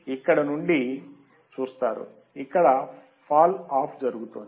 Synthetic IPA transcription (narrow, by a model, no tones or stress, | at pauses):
ikːɐɽɐnuɳɖi | t͡ʃuːst̪aːɾṵ | ikːɐɽɐ | pʰaːlaːpʰd͡ʒɐɾuɡut̪ond̪